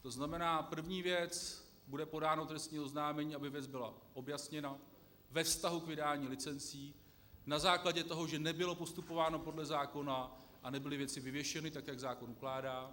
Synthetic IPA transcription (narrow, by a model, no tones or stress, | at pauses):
t̪o̞znamɛnaːpr̩vɲiːvjɛt͡s | budɛpo̞daːnot̪ɾɛst̪ɲiːoznaːmɛɲiːabɪvjɛd͡zbɪlaʔo̞bjasɲɛna | vɛfst̪aɦukvɪdaːɲiːlɪt͡sɛnt͡siː | nazaːklaɟɛt̪o̞ɦo̞ʒɛnɛbɪlo̞po̞st̪upo̞vaːno̞po̞dlɛzaːko̞naʔanɛbɪlɪvjɛt͡sɪvɪvjɛʃɛnɪt̪akjaɡzaːko̞nuklaːdaː